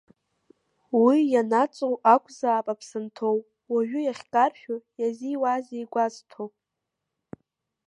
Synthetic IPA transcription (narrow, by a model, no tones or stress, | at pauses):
wijanat͡sʷʼowʔakʷʰʼzaːpʼapʰsɨntʰowʼ | waɥᶣʏjaχʲkʼarʃᶣʊjaziwazejɡʷaztʰowpʼ